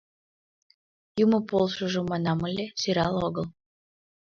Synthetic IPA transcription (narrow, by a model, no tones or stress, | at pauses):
jumə̆polˠʃoʒŏmɑnɑmɤlʲesʲyɾɑlˠoɣəlˠ